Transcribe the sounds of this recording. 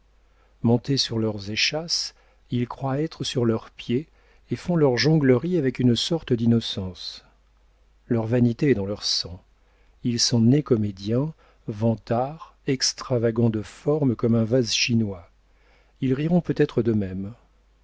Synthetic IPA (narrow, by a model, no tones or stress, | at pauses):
mɔ̃t̪esyʁlœʁzeʃas | ilkχwaɛt̪χəsyʁlœʁpje | efɔ̃lœʁʒɔ̃ɡləʁiavɛkynsɔʁt̪əd̪inɔsɑ̃s | lœʁvanit̪eɛd̪ɑ̃lœʁsɑ̃ | ilsɔ̃nekɔmed̪jɛ̃ | vɑ̃t̪aʁɛkst̪χavaɡɑ̃d̪əfɔʁmkɔmɛ̃vazʃinwa | ilʁiʁɔ̃pøt̪ɛt̪χəd̪əmɛm